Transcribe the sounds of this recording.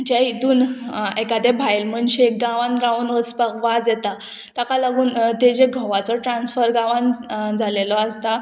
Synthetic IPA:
d͡ʑait̪uːnekad̪ɛbʱajlm̤əɳɕeɡãʋãnɾaunʋəspakʋad͡zjɛt̪a | t̪akalaɡuːnt̪ed͡ʑeɡʱɔʋat͡sɔʈɾãnsfəɾɡãʋãnd͡zʱalelɔast̪a

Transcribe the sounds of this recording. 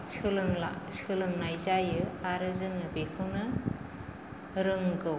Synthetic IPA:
ɯlsɯlɯŋnajzajɯaɾɯzɯŋɯbekʰɯnɯ | ɾɯŋɡɯw

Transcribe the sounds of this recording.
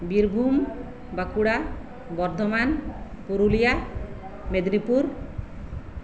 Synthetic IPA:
biɾbʱum | bakuɽa | bɔɾd̪ʱoman | puɾulija | med̪nipuɾ

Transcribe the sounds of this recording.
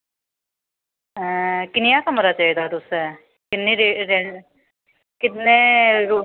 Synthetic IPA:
kɪnɪjãːkəmɾaːt͡ʃaːiːd̪aːt̪ʊsɛː | kɪnːẽːɾeːɾɛ | kɪt̪nẽːɾoː

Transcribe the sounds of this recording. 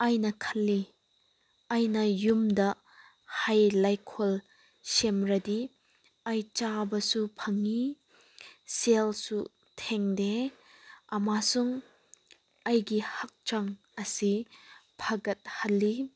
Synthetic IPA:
ɐjnɐkʰɐlːi | ɐjnɐjumdɐ | hajlajkʰol | semɾɐdi | ɐjt͡ʃabɐsupʰɐŋi | selsu | tʰeŋde | ɐmasuŋ | ɐjɡihɐk̚t͡ʃaŋ | ɐsipʰɐɡɐt̚hɐlːi

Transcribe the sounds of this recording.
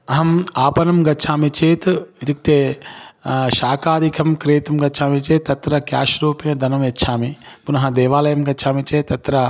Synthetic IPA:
ɐɦɐmaːpɐnɐmɡɐtːt͡ʃʰaːmit͡ʃʰeːt̪it̪ik̚t̪e | ʃaːkaːd̪ʱikʰɐmkɾeːt̪umɡɐtːt͡ʃʰaːmit͡ʃeːt̪ːɐt̪ɾɐkja̰ːʃɾuːpinɐd̪ɐnɐmɐtːʃʰaːmipunɐɦɐ̃d̪eːʋaːlɐjɐmɡɐtːʃʰaːmit͡ʃeːt̪ːɐt̪ɾɐ

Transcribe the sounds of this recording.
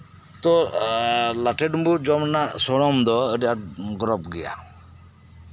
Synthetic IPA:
t̪ɔ | laʈʰeɖmbud͡ʒɔmnasɔɽ̃ɔmd̪ɔəɖiaʈɡɔɾɔpɡija̰

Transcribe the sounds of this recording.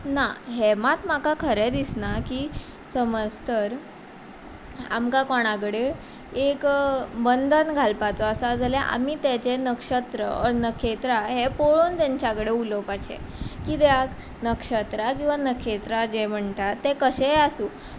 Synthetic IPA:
naɦemat̪makakʰəɾed̪isnakiː | səməst̪əɾ | a̰mkakɔɽ̃akɽe | ekbənd̪ʱənɡʱalpat͡sɔəsad͡zʱalɛʔa̰miːt̪ɛt͡ɕenəkʂət̪ɾə̰ɔ̰ɾnəkʰet̪ɾaɦepoɭont̪jaɲt͡ɕjakɽeulopaɕḛkit̪eak | nəkʂət̪ɾakĩw̃ʋanəkʰet̪ɾad͡ʑem̤əɳʈ̪at̪ːekəɕɛasuː

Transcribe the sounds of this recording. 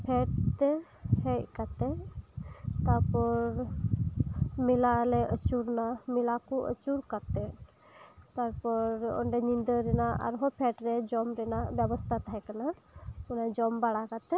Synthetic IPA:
pʰɛʈ̚t̪ɛhɛc̚kat̪ɛ | t̪aɾpɔɾ | milalɛət͡ʃuɾnamilakuʔə̰t͡ʃuɾkat̪ɛ | t̪aɾpɔɾɔ̰ɳɖɛɲind̪əɾɛnaa̰ɾɦɔpʰɛʈɾɛd͡ʒɔmɾɛnababɔst̪ʰat̪aɦɛkanaɔnajd͡ʒɔmbaɽakat̪ɛ

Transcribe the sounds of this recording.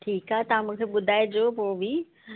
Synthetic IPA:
ʈʰiːkaːɦet̪ɐʋ̤ãmũːkʰeɓʊd̪ʱaːed͡ʑoːpoːʋi

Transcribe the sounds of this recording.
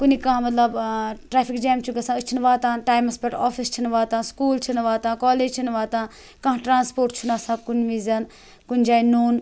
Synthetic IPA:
kunikãmɐt̪lɐbʈɾaːpʰikd͡ʒaːmt͡ʃʰuɡɐsãɨt͡ʃʰinʋaːt̪ãːʈaːjmɐspeʈaːfʰist͡ʃʰinʋaːt̪ãːskuːlt͡ʃʰinʋaːt̪ãːkɔːleːd͡ʒt͡ʃʰinʋaːt̪ãː | kɐ̃ɦʈɾãːnspoːɾʈt͡ʃʰunaːsãːkunʲʋiːzɐn | kunʲd͡ʒaːinuːn

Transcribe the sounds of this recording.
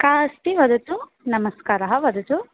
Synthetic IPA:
kaːsʈ̪iʋɐd̪ɐt͡su | nɐmɐskaːɾɐɦɐʋɐd̪ɐt̪u

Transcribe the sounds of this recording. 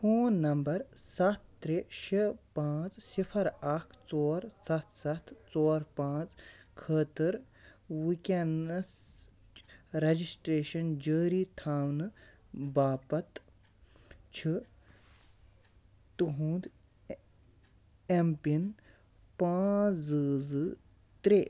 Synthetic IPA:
foːnːɐmbɐɾsɐt̪̚ʰːɾeʃipãːt͡ssipʰɐɾɐkʰt͡soːɾsɐt̪ʰsɐt̪ʰt͡soːɾpãːt͡skʰəːt̪ɨɾ | wikʲenɐs | ɾɐd͡ʒisʈɾeːʃɐnd͡ʒəːɾiːt̪ʰaːwn | baːpɐt̪ | t͡ʃʰi | t̪uɦũːnd̪ | empin | paːt͡sɨzɨ | t̪ɾeː

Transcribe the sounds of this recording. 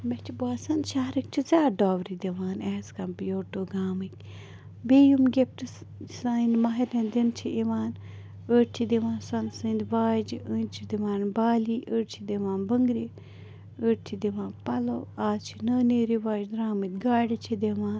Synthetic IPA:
mɛt͡ʃʰibaːsɐnd̪ʃaɦɾik̚t͡ʃʰizʲaːɖaːʋɾid̪eʋaːnɛːskɐmpijoːʈoːɡaːmɨt̪̚ʲ | beːjumɡep̚ʈɨssainmaɦiɾẽnd̪int͡ʃʰiʔiʋaːn | əɾt͡ʃʰid̪eʋãːnsɐnsɨnd̪ʲʋaːd͡ʒənt͡ʃʰid̪iʋaːnbaːliːʔəɾt͡ʃʰid̪eʋaːnbəŋɡɾi | əɾt͡ʃʰid̪iʋãːnpɐloaːt͡ʃʰinɐːneːɾiʋaːd͡ʒ̪ɾaːmɨt̪̚ʲɡaːɽit͡ʃʰid̪eʋaːn

